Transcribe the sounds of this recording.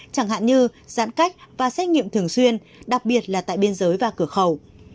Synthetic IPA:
t͡ɕaː˧˩ŋɦa̰ː˧˨nɲɨ˧zaː˧˥nka˦˥jk̟̚vaː˨˩sɛ˦˥t̚ŋḭ˧˨əmt̪ʰɨ˨˩əŋswi˧ən | ɗa˨˩k̚ɓi˨˩ət̚laː˨˩t̪a̰ː˧˨jɓi˧ənzəː˨˦jvaː˨˩kɨ˧˩əxə˨˩w

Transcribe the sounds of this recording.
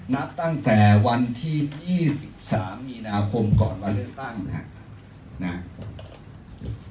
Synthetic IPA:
na˦˥p̚t̪a˥˩ŋt̪ɛː˨˩wa˧nt̪ʰiː˥˩jiː˥˩si˨˩p̚saː˩˦mːiː˧naː˧kʰo˧mkɔː˨˩nmaː˧lɯ˥˩ək̚t̪a˥˩ŋʰa̰˨˩ | na˦˥

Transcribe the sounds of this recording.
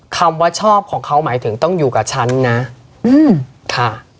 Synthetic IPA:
kʰa˧mwaː˦˥t͡ɕʰɔː˥˩p̚kʰɔː˩˦ŋkʰa˦˥wmaː˩˦jt̪ʰɯ˩˦ŋt̪ɔ˥˩ŋjuː˨˩kaː˨˩p̚t͡ɕʰa˦˥nːa˦˥ | ʔɯː˧˩m | kʰa˥˩

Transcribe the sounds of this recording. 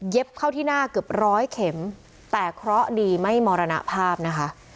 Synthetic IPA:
je˦˥p̚kʰa˥˩wt̪ʰiː˥˩naː˥˩kɯ˨˩əp̚ɾɔː˦˥jkʰe˩˦m | t̪ɛː˨˩kʰɾɔ˦˥ʔdiː˧ma˥˩jmɔː˧ɾa˧na̰˦˥ʔpʰaː˥˩p̚na˦˥kʰa˦˥ʔ

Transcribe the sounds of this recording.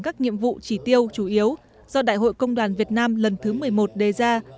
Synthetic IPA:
kaː˦˥k̚ɲḭ˧˨əmvṵ˧˨t͡ɕi˧˩t̪i˧əwt͡ɕu˧˩ʔi˨˦əw | zɔ˧ɗa̰ː˧˨jɦo̰˧˨jkə˧wŋ͡mɗwaː˨˩nvi˨˩ət̚naː˧mlə˨˩nt̪ʰɨ˨˦mɨ˨˩əjmo˨˩t̚ɗe˨˩zaː˧

